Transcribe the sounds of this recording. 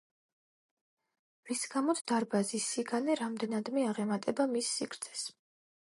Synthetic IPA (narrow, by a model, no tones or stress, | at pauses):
visɡamɔt̪sʰd̪aɾbazisːiɡanɛɾamd̪ɛnad̪mɛaʁɛmat̪ʼɛbamisːikʰɾt̪sʰɛ̥s